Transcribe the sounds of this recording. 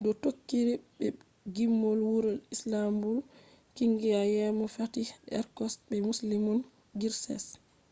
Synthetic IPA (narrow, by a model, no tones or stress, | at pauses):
dɔtokːiɾibɛ | ɡimːɔlwuɾɔlislambul | kiŋɡiajɛmɔfatiɛ̰ɾkɔsbɛmuslimɔn | ɡiɾsɛ̰s